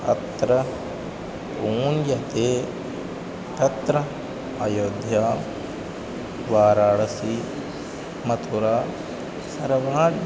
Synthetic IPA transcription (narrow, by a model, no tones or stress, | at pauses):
ɐ̰t̪ɾɐ | uːnjɐt̪eː | t̪ɐt̪ɾɐ | ɐjoːd̪ʱjaː | ʋaːɾaːɭɐsi | mɐt̪ʰoɾaː | sɐɾɐʋaːɖ